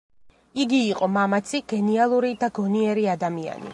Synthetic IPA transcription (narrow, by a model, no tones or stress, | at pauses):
iɡiːqʼɔmamat̪sʰiɡ̥ɛnialˠuɾid̪aɡɔniɛɾiad̪amia̰nḭ